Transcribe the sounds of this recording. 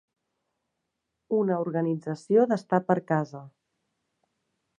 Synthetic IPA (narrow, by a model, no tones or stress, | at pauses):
unəuɾɣənid͡zəsijoðəst̪apəɾkazə